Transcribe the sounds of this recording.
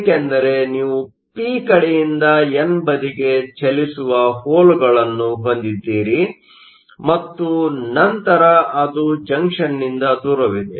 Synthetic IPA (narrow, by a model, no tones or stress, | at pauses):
kend̪ɐɾe̞niːʋu | piːkɐɽejind̪ɐenbɐd̪iɡe̞t͡ʃɐlisuʋɐhoːluɡɐɭɐnːuɦo̞nd̪id̪ːiːɾi | mɐt̪ːunɐnt̪ɐɾɐɐd̪ud͡ʒɐŋkʂɐnːind̪ɐd̪uːɾɐʋid̪ḛ